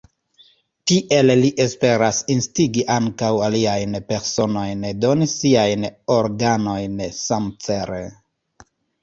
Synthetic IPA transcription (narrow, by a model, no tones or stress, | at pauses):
tiʔe̞lliʔe̞spe̞ɾasinstiɡiʔaŋkawaliajnpe̞ɾso̞no̞jndo̞nisiajnoɾɡano̞jnsamt͡se̞ɾe